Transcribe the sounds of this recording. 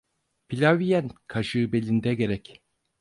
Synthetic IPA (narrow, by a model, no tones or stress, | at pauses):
pilʲavijænkʰaʃɯbe̞lʲind̪ɛɡe̞ɾɛc